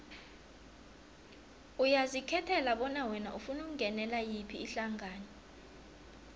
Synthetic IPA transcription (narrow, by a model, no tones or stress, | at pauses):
ujazikʰɛtʰɛlaɓɔnawɛna̰ʔufunuk̬uŋʱɛnɛlajipʰiːɬaŋaːnɔ